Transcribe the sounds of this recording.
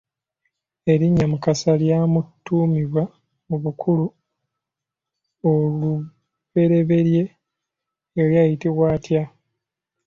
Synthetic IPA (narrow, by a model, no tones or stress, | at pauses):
e̞ɾiɲːamukasaljaːmutːuːmiβwa | muβukʰulu | olu | βe̞ɾe̞βe̞ɾje̞ | ljaːjitiβwaːtʰja